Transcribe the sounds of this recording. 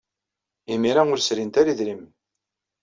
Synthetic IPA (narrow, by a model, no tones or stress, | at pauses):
imiɾaʊɾsɾint̪aɾiðɾim